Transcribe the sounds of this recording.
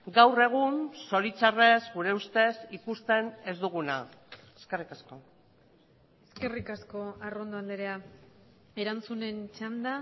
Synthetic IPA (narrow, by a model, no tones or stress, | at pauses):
ɡawre̞ɣ̞unso̞ɾit͡sare̞zɡuɾe̞ust̪e̞sikust̪e̞ne̞zd̪uɣ̞una | eske̞rikasko̞ | e̞ske̞rikasko̞arond̪oand̪eɾea | e̞ɾant͡sune̞nt͡ʃand̪a